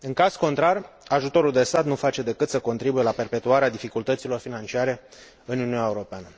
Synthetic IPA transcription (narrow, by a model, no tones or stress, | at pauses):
ɨŋkaz̥ko̞nt̪ɾar | aʒut̪o̞ɾuld̪e̞st̪at̪nufat͡ʃe̞d̪e̞kɨt̪səko̞nt̪ɾibuje̞lape̞rpe̞t̪uaɾead̪ifikult̪ət̪silo̞rfinant͡ʃiaɾe̞ | ɨnuniunʲaeuɾo̞peanə